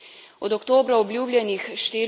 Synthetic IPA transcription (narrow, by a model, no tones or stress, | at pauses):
ɔd̪ɔkt̪oːbɾaɔblʲjuːblʲɛnixʃt̪eː